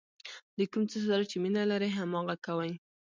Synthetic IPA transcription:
d̪əkumt͡səsɑɾt͡ʃeminalaɾəɦamɑɣakawaj

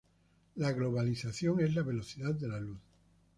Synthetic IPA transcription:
laɣlo̞β̞aliθaθjo̞ŋezlaβe̞lo̞θiðaðd̪e̞laluθ

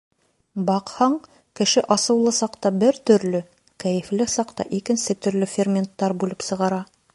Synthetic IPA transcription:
bɑqhɑɴ | kɘ̆ʃɘʔɑsɤ̆wlˠɤsɑqt̪ɑbɘɾt̪ɵ̆ɾlɵ | kæjɘ̆flɘsɑqt̪ɑ̰ʔikɘ̆nsɘt̪ɵ̆ɾlɵfʲermʲent̪ːɑɾbʉlˠɘpsɤ̆ʁɑɾɑ

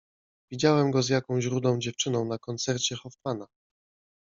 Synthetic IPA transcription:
vʲid͡ʑawɛmɡɔzʲjakɔ̃w̃ʑɾud̪lɔ̃w̃d͡ʑɛft͡ʂɘnɔ̃w̃nakɔnt̪sɛɾt͡ɕɛxɔfmana

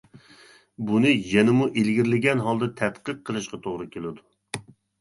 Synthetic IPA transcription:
bunɨjɛnɪmuʔelɡʲiɾlɪɡʲɛnɦɑlˠd̪ɑt̪ʰɛt̪qəq̚qʰːəlˠɨʃqɑt̪ʰoʁɾɨkʲelɪd̪u

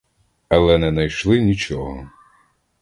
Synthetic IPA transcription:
ɐlˠɛnɛnɐjʃlˠɪnʲit͡ʃɔɦɔ̰

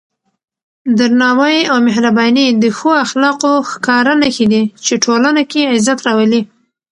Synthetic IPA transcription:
d̪əɾnɑwaiawmɪhɾabɑnid̪əxoaxlɑqoxkɑɾanaxed̪it͡ʃeʈʰolanakeɪzat̪ɾɑwəli

